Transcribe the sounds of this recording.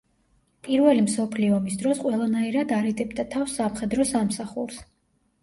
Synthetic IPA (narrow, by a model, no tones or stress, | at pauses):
pʼiɾvɛlimsɔpʰliɔmisd̪ɾɔsqʼwɛlˠanaiɾad̪aɾid̪ʼɛbd̪at̪ʰafsːamχɛd̪ɾɔsamsaχuɾs